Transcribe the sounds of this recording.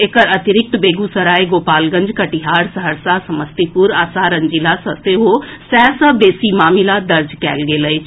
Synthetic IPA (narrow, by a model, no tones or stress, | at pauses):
ekəɾɐt̪ɪɾɪk̚t̪beːɡusɐɾaːeɡoːpaːlɡə̃ɲd͡ʒkɐʈiɦaːɾsɐɦəɾsasɐməst̪ipuɾaːsaːɾɐ̃ɲd͡ʒilasɐseɦosɛːsɐbeːsimaːmilad̪ɐɾd͡ʒkɛ̰ːlɡeːlə